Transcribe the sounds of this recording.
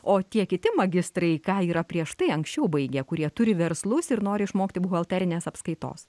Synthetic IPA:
oːt̪ʲiɛkʲɪt̪ʲɪmɐɡʲɪst̪ɾɐɪkɑːiːɾɐpʲɾʲiɛʃt̪ɐɪɐŋksʲt͡ʃʲɛʊbɐɪɡʲɛkʊɾʲiɛt̪ʊɾʲɪʋʲɛɾslˠʊsɪɾnoːɾʲɪɪʃmoːkʲt̪ʲɪbʊɣɐlˠʲt̪ʲæːɾʲɪnʲeːsɐpskɐɪt̪o̰ːs

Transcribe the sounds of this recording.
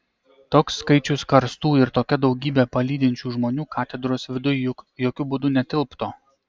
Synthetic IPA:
t̪oːksːkɐɪt͡ʃʲʊskɐɾst̪uːɪɾt̪oːkʲɛd̪ɒʊɡʲiːbʲɛːpɐlʲiːd̪ʲɪnʲt͡ʃʲuːʒmoːnʲuːkɑːt̪ʲɛd̪ɾoːsʋʲɪd̪ʊjjʊkjoːkʲʊbʊd̪ʊnʲɛt̪ʲɪlˠpt̪oː

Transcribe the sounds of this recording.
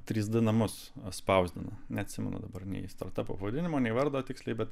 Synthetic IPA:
t̪ʲɾʲiːs̬d̪ʊnɐmʊs | spɐʊzʲd̪ʲɪnɐnʲɛɐt̪ʲsʲɪmʲɛ̰nɐ̰d̪ɐbɐrnʲɛ̰ɪst̪ɐ̰ɾt̪ɐpo̰ːpɐʋɐd̪ʲɪnʲɪmoːnʲɛɪʋɐɾd̪oːt̪ʲɪkslʲɛɪbʲɛt̪

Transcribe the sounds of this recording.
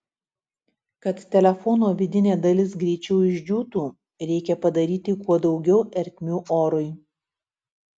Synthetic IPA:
kɐt̪t̪ʲɛlʲɛfɔnoːʋʲɪd̪ʲɪnʲeːd̪ɐlʲɪs̬ɡɾʲɛɪt͡ʃʲɛʊɪʒʲd͡ʒʲuːt̪uː | ɾʲɛɪkʲɛpɐd̪ɐɾʲiːt̪ʲɪkuɔd̪ɒʊɡʲɛʊʔɛɾʲt̪ʲmʲuːoːɾʊj

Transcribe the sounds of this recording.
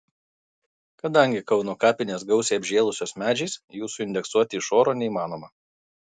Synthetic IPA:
kɐd̪ɐŋʲɡʲɪkɒʊnoːkɑːpʲɪnʲeːs̬ɡɒʊsʲeːɐbʲʒʲeːlˠʊsʲoːsmʲæːd͡ʒʲɛɪsjuːsʊɪnʲd̪ʲɛksuɔt̪ʲɪːʃoːɾoːnʲɛimɑːnoːmɐ

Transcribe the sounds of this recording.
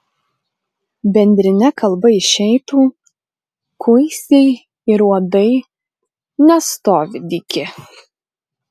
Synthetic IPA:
bʲɛnʲd̪ʲɾʲɪnʲɛkʰɐlˠbɐɪʃʲɛɪt̪uː | kʰʊɪsʲɛɪ | ɪɾuɔd̪ɐɪ | nʲɛst̪oːʋʲɪd̪ʲɪkʲɪ

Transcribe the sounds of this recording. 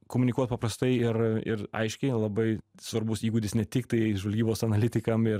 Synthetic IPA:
koːmʊnʲɪkuɔt̪̚pɐpɾɐst̪ɐɪɪrɪ̰rɐ̰ɪʃʲkʲɛɪlˠɐbɐɪsʋɐɾbʊsiːɡuːd̪ʲɪsnʲɛt̪ʲɪkt̪ɐɪʒʋɐlʲɡʲiːboːsɐnɐlʲɪt̪ʲɪkɐmɪɾ

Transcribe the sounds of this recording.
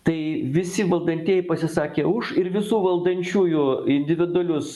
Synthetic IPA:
t̪ɐɪʋʲɪsʲɪʋɐlˠd̪ɐnʲt̪ʲiɛjɪpɐsʲɪsɑːkʲeːʊʃɪɾʋʲɪsuːʋɐlˠd̪ɐnʲt͡ʃʲuːjʊɪnʲd̪ʲɪʋʲɪd̪ʊɐlʲʊs

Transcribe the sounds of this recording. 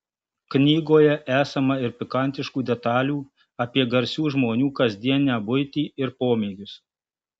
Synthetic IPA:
knʲiːɡoːjɛʔæːsɐmɐɪɾpʲɪkɐnʲt̪ʲɪʃkuːd̪ʲɛt̪ɑːlʲuː | ɐpʲiɛɡɐɾʲsʲuːʒmoːnʲuːkɐzʲd̪ʲiɛnnʲæːbʊɪt̪ʲiːɪɾpoːmʲɛːɡʲʊs

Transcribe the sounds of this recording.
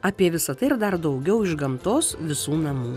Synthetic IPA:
ɐpʲiɛʋʲɪsɐt̪ɐɪɪɾd̪ɐɾd̪ɐʊɡʲɛʊɪʒɡɐmt̪oːsʋʲɪsuːnɐmuː

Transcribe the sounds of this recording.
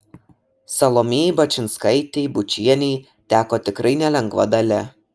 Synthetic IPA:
sɐlˠomʲeːjbɐt͡ʃʲɪnskɐɪt̪ʲeːbʊt͡ʃʲiɛnʲɛɪ | t̪ʲæːkoːt̪ʲɪkɾɐɪnʲɛlʲɛŋɡʋɐ̰d̪ɐlʲɛ

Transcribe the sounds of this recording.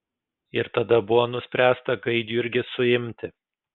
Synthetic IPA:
ɪɾt̪ɐd̪ɐbʊʋoːnʊsʲpʲɾʲæːst̪ɐɡɐɪd̪ʲiɪɾʲɡʲɪsʊɪmʲt̪ʲɪ

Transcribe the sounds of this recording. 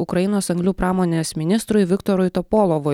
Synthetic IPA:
ʊkɾɐɪnoːsɐŋɡlʲuːpɾɑːmoːnʲeːsmʲɪnʲɪst̪ɾʊɪʋʲɪkt̪ɔɾʊjt̪ɔpoːlˠoʋʊ

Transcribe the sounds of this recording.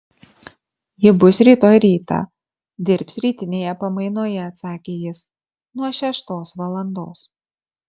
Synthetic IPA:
jɪbʊsɾʲiːt̪oːjɾʲiːt̪ɑ̰ | d̪ʲɪɾʲpʲsɾʲiːt̪ʲɪnʲeːjɛpɐmɐɪnoːjɛɐt̪sɑːkʲeːjɪs | nuɔʃʲɛʃt̪oːsʋɐlˠɐnd̪oːs

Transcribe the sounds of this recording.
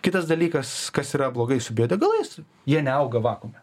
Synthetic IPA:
kʲɪt̪ɐsd̪ɐlʲiːkɐskɐsiːɾɐblˠoːɡɐɪsʊbʲiɛd̪ʲɛɡɐlˠɐs | jiɛnʲɛɐʊɡɐʋɑːkomʲɛ

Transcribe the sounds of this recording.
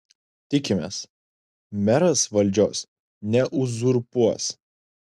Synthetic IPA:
t̪ʲɪkʲɪmʲḛːs | mʲɛɾɐsʋɐlʲˑd͡ʒʲoːs | nʲɛʔʊzʊɾpuɔs

